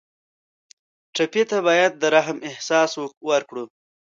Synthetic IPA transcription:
ʈapet̪aβɑjad̪̚ːəɾaɦmɪhsɑswwaɾkɽu

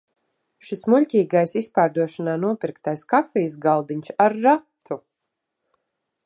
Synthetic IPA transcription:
ʃismuʎʲcʲiːɡajsispaːɾd̪uɔʃanaːnuɔpiɾkt̪ajskafijs̬ɡalˠd̪iɲʲsaɾːat̪ʰːu

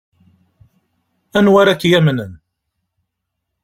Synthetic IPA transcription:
ænwaɾakːjæmnən

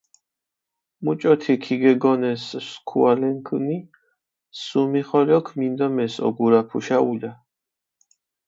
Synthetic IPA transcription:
mut͡ʃʼɔt̪ʰikʰiɡɛɡɔnɛsskʰualɛŋkʰni | sumiχɔlɔkʰmind̪ɔmɛsɔ̰ɡuɾapʰuʃauʎa

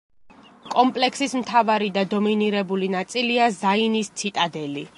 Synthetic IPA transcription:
kʼɔmpʼlɛksismt̪ʰavaɾid̪ad̪ɔminiɾɛbulinat̪sʼiliazainist̪sʰit̪ʼad̪ɛli

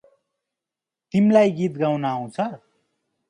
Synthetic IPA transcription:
t̪imlajɡit̪ɡawnaːw̃t͡sʰʌr

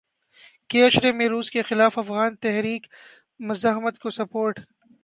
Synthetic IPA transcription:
keːɐʃɾemẽɾuːskexɪlaːfɐfɣaːnt̪ɛɦɾiːk | mɐzaɦmət̪kosɐpoːɾʈ

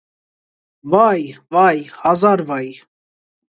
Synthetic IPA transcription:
vɑjvɑjhɑzɑɾvɑj

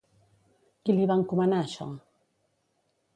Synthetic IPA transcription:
kiliβaŋ̩kumanaʃɔ̰ŋa

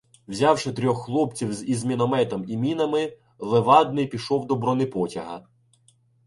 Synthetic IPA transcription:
wzʲɑwʃɪt̪ɾʲɔxːlˠɔpt͡sʲiwzizmʲinɔmɛt̪ɔmimʲinɐmɪ | lˠeʋɑd̪̚nɪjpʲiʃɔwd̪ɔbɾɔnɪpɔtʲɐɦɐ̰

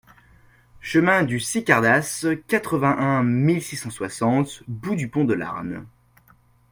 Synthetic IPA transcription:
ʃəmɛ̃d̪ysikʲaʁd̪askat̪χəvɛ̃ʔɛ̃milsisɑ̃swasɑ̃t̪bud̪ypɔ̃d̪əla̰ʁm

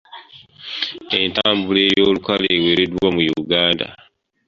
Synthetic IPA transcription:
e̞ntaːmbule̞ːjoːlukaleːwe̞ːɾedwamujuɡaːnda̰

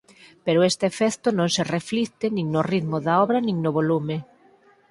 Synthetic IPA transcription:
peɾʊest̪efɛθt̪ʊnõŋserefliθt̪ɪnĩŋnʊriðmʊðaɔβɾɐnĩŋnʊβolume

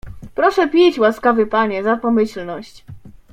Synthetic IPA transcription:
pɾɔʂɛpʲit͡ɕwaskavɘpaɲɛzapɔmɘɕlnɔɕt͡ɕ

